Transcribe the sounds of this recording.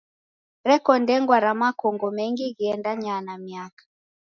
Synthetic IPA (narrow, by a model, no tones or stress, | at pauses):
ɾɛkɔndɛŋɡwaɾamakɔŋɡɔmɛŋɡiɣiɛndaɲanamiakḁ